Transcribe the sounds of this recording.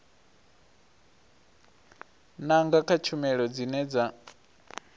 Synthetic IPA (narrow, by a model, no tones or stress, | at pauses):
naŋɡakʰat͡ʃʰumɛɺɔd͡zinɛd͡za